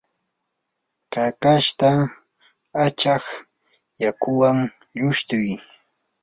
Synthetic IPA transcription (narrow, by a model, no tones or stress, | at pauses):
kakaʃt̪a | at͡ʃax | jakʊwaŋ | ʎʊʃt̪ʊj